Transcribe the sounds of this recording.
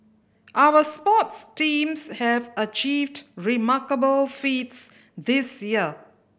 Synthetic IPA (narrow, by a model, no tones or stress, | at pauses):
ʔawəspɔtstĩmshɛvət͡ʃiːvdɹimakəbəlfits | d̪isjiə